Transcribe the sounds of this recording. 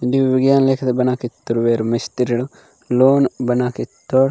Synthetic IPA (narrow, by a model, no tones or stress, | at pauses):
d̪iʋʋiɡjaːnleːkʰɐt̪ɐbɐnaːkit̪ːuɾʋeːɾmɐst̪iɾiɽo | loːnbɐnakit̪ːoɽ